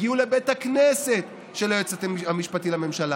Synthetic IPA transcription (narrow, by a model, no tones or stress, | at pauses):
ɡiulebet̪hakneset̪ | ʃelojet͡sat̪eiamiʃpat̪ilame̞mʃala